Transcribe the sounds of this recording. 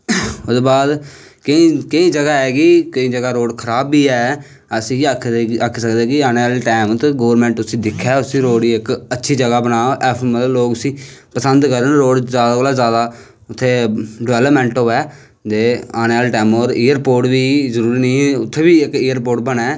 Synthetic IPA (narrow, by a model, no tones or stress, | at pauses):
ʊsbaːd̪kɪĩkɪĩːd͡ʒəɡaːɛːkɪkəĩːd͡ʒəɡaːɾoːɽkʰəɾaːbːiːɛː | əsĩːk̪ʰːakʰːsəkd̪eːkɪaːneːaːlːʈɛːmt̪ɡoːəɾmɛ̃ːɳʈʊsĩːd̪ɪkʰːɛːʊsĩːɾoːɽiːɪkətːʃʰiːd͡ʒəɡaːbənaːoʔɛːpʰmələloːkʊsĩːpəsənd̪kəɾənɾoːɽzaːd̪akːlaːzjaːd̪aː | ʊt̪ʰːeːɖɪʋɛːləpmɛ̃ːɳʈɦoːɛː | t̪eːaːneːaːlʈɛːmoːɾiːəɾpoːʈbiːzəɾuːɾiːnəĩːʊt̪ʰːeːbiːɪkiːjəɾpoːʈ̚bənɛː